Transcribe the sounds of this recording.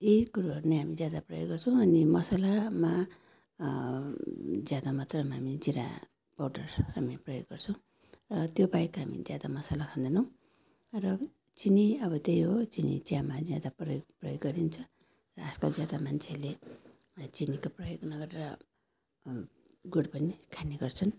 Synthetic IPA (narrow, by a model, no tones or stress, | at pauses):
eikuɾuɦʌrneɦamid͡zjad̪aprʌjo̰ɡɡʌrt͡sʰʌ̃w̃ʌnimʌsalama | d͡zjad̪amʌt̪rʌmaɦamid͡ziɾa̰ | pawʈʌrhamiprʌjo̰ɡɡʌrt͡sʰʌ̃w̃ | rʌt̪jobajkɦamḭd͡zjad̪amʌsalakʰand̪enʌw̃ | rʌ | t͡siniʌbʌt̪ejɦot͡sinḭt͡sjãmad͡zjad̪aprʌjoɡ̚prʌjoɡɡʌɾint͡sʰʌ | rʌːskod͡zjad̪amant͡sʰele | t͡sinikoprʌjoɡnʌɡʌɾeɾʌ | ɡuɽpʌnikʰaniɡʌrt͡sʰʌn